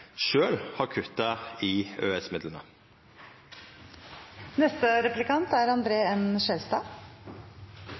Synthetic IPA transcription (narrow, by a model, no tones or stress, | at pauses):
ʃøːlhɑɾkʰʉt̪ːɑɪøːɛsmɪd̪lənə̰ | nɛst̪əɾɛplɪkɑnt̪æɾɑnd̪ɾeːɛnʃɛlst̪ɑː